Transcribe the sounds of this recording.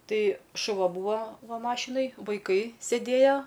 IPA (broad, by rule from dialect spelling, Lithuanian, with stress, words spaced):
ˈtɐɪ ʃʊˈʋɐ ˈbuːʋɐ ˈʋɐ ˈmɑːʃʲɪnoːj ʋɐɪˈkɐɪ sʲeːˈdʲeːjoː